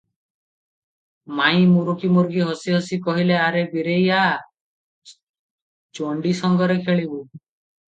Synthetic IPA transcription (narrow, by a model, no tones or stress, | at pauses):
maĩmuɾukimuɾɡiɦɔsiɦɔsikɔɦileaɾebiɾeja | t͡ʃoɳɖisɔŋɡɔɾekʰeɭibu